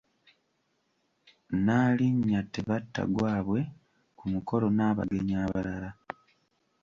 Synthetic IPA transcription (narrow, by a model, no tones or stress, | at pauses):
naːliɲːateβatːa̰ɡwaːβwe̞ | kumuko̞lo̞naːβa̰ɡe̞ɲaːβalala